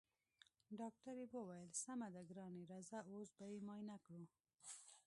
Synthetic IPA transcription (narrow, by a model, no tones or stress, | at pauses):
ɖɑk̚ʈaɾewəwajəlsamad̪aɡɾɑneɾazaosbajemɑjnakɽu